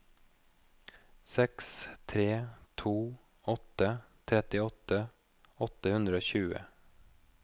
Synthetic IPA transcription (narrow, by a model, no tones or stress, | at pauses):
sɛkst̪ʰɾeːt̪ʰuː | ɔt̪ːət̪ʰɾɛt̪ɪɔt̪ːə | ɔt̪ːəhʉnd̪ɾəoːɕʉːə̰